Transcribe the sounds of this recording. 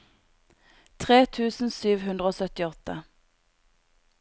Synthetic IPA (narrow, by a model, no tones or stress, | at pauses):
t̪ʰʁeːt̪ʰʉːsn̩syːʋhʉnd̪ʁəoːsœt̪ɪɔt̪ə